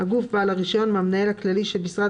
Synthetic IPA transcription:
haɡufbaalaʁiʃo̞nmamnaelhaklaliʃelbisʁad̪

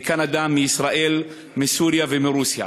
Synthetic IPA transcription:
kanad̪amiisɾaʔel | misuːɾjavemiɾuːsja̰

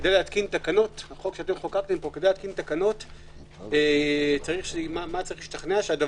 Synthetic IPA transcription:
ed̪ejleat̪kint̪akano̞taχokʃeat̪emχokat̪empo̞kedejleat̪̚kint̪akano̞t | et͡saʁiχʃmamat͡saʁiχliʃt̪aχneaʃead̪a

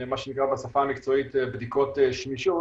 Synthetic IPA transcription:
maʃenikʁabesafamikt͡so̞it̪bd̪ikot̪eʃmiʃo

